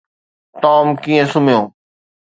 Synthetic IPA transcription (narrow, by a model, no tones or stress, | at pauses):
t̪ɔːmkĩːẽsʊmjõː